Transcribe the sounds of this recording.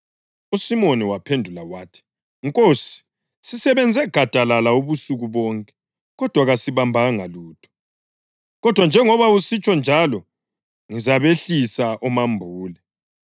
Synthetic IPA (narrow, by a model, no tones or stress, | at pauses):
usimoniwapʰendʱulawaːtʰi̥ | ŋkʼosi̥ | sisɛβɛnd͡zʱɛɡ̥ʱad̥ʱalalauβusuɣuβɔŋkʼɛ̥ | ɣɔd̥ʱwaɣasiβambʱaŋaluːtʰʼɔ̥ | ɣɔd̥ʱwand͡ʒʱɛŋɔβausit͡ʃʼɔnd͡ʒʱalɔ | ŋizaβeɬisaʔumambʱuːlɛ